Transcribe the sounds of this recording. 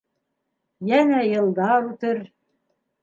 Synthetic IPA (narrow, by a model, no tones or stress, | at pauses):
jæŋæjɤ̆lˠd̪ɑɾut̪ɤɾ